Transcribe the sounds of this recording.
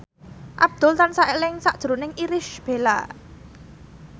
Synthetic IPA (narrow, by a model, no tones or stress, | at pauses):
ʔa̰b̚d̪̥ʊ̤lt̪ansaʔelɪŋsaʔd̥ʒ̥ɾunɪŋʔiɾɪʃb̥e̤la̰